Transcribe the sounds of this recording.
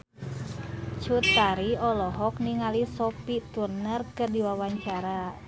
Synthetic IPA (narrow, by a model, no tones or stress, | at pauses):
t͡ʃut̪ːaɾiɔlɔɦɔkniŋalisɔpit̪urnərkərdiwawaɲt͡ʃaɾa